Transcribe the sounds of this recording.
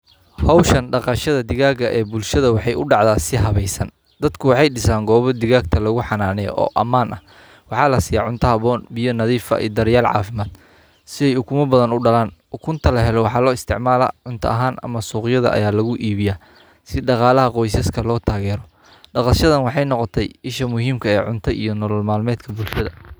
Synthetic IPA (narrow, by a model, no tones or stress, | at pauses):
hɔwʃɐnɖɑqɑʃɐðɐd̪ɪɣaːɡɐʔɛːbʊlʃɐðɐwɑħɑjʔʊɖɑʕd̪aːsɪɦɐβɛjsɐn | d̪̥ɐd̪kʰʊwɑħɑjɖɪsaːŋɡɔːβɔd̪ɪɣaːɡt̪ʰɐlɐɣʊħɑnaːnɛj̰ʔɔ̰ːʔɐmaːnɐh | wɑħɑːlɐsijɐʕʊnt̪ʰɐhɐβɔːnbijɔnɐðiːfɐ̰ʔḭːd̪ɐɾjaːlʕɑ̰ːfɪmaːd̪̥ | sɪɛjʊkʰʊmɐbɐðɐnʊɖɐlaːnʊkʰʊnt̪ʰɐlɐɦɛlɔwɑħɑːlɔːɪst̪ʰɪʕmaːla̰ːʕʊnt̪ʰɐ̰ɐɦaːnɐ̰mɐsuːqjɐðɐ̰ʔɐ̰jaːlɐɣʊʔiːβɪjaː | sɪɖɑqɑːlɐɦɐqɔjs̬ɐskʰɐlɔːt̪ʰaːɣɛːɾɔ | ɖɑqɑʃɐðɐnwɑħɑjnɔqɔt̪ʰɛjɪʃɐmʊɦiːmkʰɐɛːʕʊnt̪ʰɐʔḭjɞnɔlɔlmaːlmɛːd̪kʰɐbulʃɐðɐ̰